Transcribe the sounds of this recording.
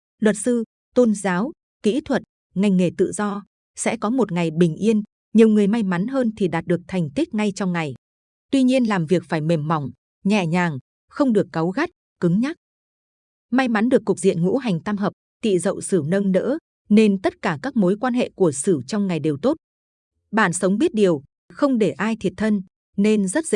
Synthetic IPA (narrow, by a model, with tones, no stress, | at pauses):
lwə˨˩t̚sɨ˧ | t̪o˧nzaː˨˦w | kḭ˧˥t̪ʰwə˨˩t̚ | ŋa˧˩jŋŋe˧˩t̪ɨ̰˧˨zɔ˧ | sɛ̰˧˥kɔ˨˦mo˨˩t̚ŋa˨˩jɓï˨˩ŋ̟ʔi˧ən | ɲi˨˩əwŋɨ˨˩əjma˧jma˨˦nɦəː˧nt̪ʰi˨˩ɗaː˨˩t̚ɗɨ˨˩ək̚t̪ʰa˨˩jŋ̟t̪i˦˥k̟̚ŋa˧jt͡ɕɔ˧wŋ͡mŋa˨˩j | t̪wi˧ɲi˧ənlaː˨˩mvi˨˩ək̚faː˧˩jme˨˩mːɔ˨˩wŋ͡m | ɲɛ̰˧˨ɲaː˨˩ŋ | xə˧wŋ͡mɗɨ˨˩əkːə˨˦wɣa˦˥t̚ | kɨ˨˦ŋɲa˦˥t̚ | ma˧jma˨˦nɗɨ˨˩əkːʊ˨˩k͡p̚zḭ˧˨ənŋṵ˧˥ɦa˨˩jŋ̟t̪aː˧mɦəː˨˩p̚t̪ḭ˧˨zə̰˧˨wsɨ˧˩nə˧nnə̰ː˧˥ | ne˧nt̪ə˦˥t̚kaː˧˩kaː˦˥k̚mo˨˦jkwaː˧nɦḛ˧˨ku˧˩əsɨ˧˩t͡ɕɔ˧wŋ͡mŋa˨˩jɗe˨˩wt̪o˦˥t̚ | ɓaː˧˩nsə˨˦wŋ͡mɓi˦˥ət̚ɗi˨˩əw | xə˧wŋ͡mɗe˧˩ʔaː˧jt̪ʰi˨˩ət̚t̪ʰə˧n | ne˧nzə˦˥t̚zḭ˧˥